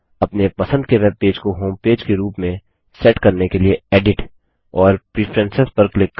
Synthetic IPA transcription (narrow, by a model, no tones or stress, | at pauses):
ɐpnepɐsə̃nd̪keʋeːb̚peːd͡ʒkoɦoːmpeːd͡ʒkeɾuːpmẽ | sɛːʈkɐɾnekelieeːɖɪʈ | ɔːɾpɾipʰɾɛ̃nsɪspɐɾklɪkː